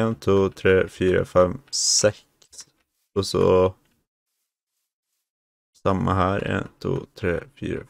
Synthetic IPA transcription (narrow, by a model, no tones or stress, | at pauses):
ent̪ʰuːt̪ʰɾeːfyːɾa̰fɛmsɛk | s | ɔsɔ | sɑmːaɦæːɾḛːnt̪ʰṵːt̪ʰɾeːfy̰ːɾa